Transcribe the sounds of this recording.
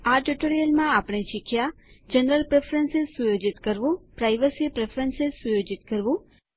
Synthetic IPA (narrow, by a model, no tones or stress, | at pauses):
aʈuʈoɾijəlmãapəɳ̃eʃikʰja | d͡ʒənɾəlpɾefʰɾənsɪzsujod͡ʒit̪kəɾʋũpɾajʋəsipɾefʰɾənsɪzsujod͡ʒit̪kəɾʋũ